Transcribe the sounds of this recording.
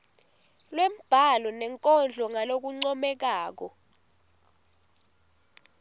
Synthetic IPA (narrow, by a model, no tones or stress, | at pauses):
lwɛm̩b̥ʱalɔnɛŋkʼɔnd͡ɮʱɔŋalok̬uŋ͡ǀɔmɛk̬aːk̬ɔ